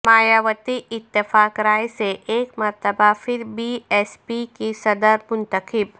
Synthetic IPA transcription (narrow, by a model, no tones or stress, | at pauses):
maːjaːʋət̪iɪt̪ːɪfaːkɾaːeseʔeːkmɐɾt̪əbafɪɾbiɛːspikisɐd̪əɾmʊ̃nt̪əkɪb